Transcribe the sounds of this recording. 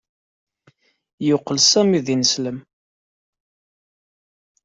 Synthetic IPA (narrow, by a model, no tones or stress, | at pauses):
jʊqːəlsæmiðinəsləm